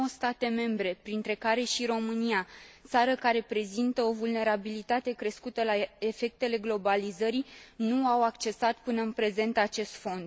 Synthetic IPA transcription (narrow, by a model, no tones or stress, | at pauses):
owst̪at̪e̞me̞mbɾe̞pɾint̪ɾe̞kaɾe̞ʃiɾo̞mɨniat̪saɾəkaɾe̞pɾe̞zint̪əo̞vulne̞ɾabilit̪at̪e̞kɾe̞skut̪əlae̞fe̞k̚t̪e̞le̞ɡlo̞balizəɾinuawakt͡ʃe̞sat̪pɨnəɨnpɾe̞ze̞nt̪at͡ʃe̞st̪fo̞nd̪